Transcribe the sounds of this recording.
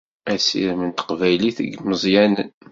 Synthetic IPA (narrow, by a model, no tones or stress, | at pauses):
æsḭɾmənt̪ə̥qvæjliθə̰ɡməzˤjænə̰n